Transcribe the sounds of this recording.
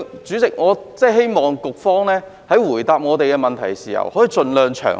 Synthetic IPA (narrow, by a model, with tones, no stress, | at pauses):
t͡syː˨˥t͡sɪ˨k̚ŋɔː˨˧t͡sɛː˥˩ɦe˥jmɔː˨ŋkʊ˨k̚fɔː˥ŋlɛː˥ | hɐ˨˥jwuː˨˩jt̪aː˨p̚ŋɔː˨˧t̪e˨jkɛː˧mɐ˨nt̪ʰɐ̰˨˩jsiː˨˩hɐ̰˨˩whɔ˨˥jiː˨˧t͡sɵ˨˧nlœː˨ŋt͡ʃʰœ̰ː˨˩